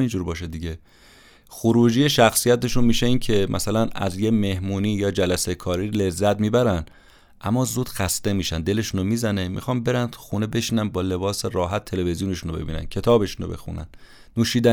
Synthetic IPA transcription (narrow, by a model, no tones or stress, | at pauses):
ind͡ʒuːɾbɒːʃed̪iɟe | xoɾuːd͡ʒiːjeʃæxsijæt̪e̞ʃunmiːʃeiːncʰe̞mʔæ̰sælænæ̰zjeme̞hmuːniːjɒːd͡ʒælæsekʰɒːɾiːle̞zːæt̪miːbæɾæn | ʔæ̰mːɒːzuːd̪̥xæst̪e̞miːʃænd̪e̞le̞ʃunomiːzænemḭxɒːmbe̞ɾænʰu̥xune̞be̞ʃiːnænbɒːle̞bɒːseɾɒːɦæt̪ʰːe̞le̞ve̞zijuneʃunobebḭːnæ̰ncʰe̞t̪ʰɒːbe̞ʃunobe̞̰xṵnæ̰n | nuːʃiːd̪æ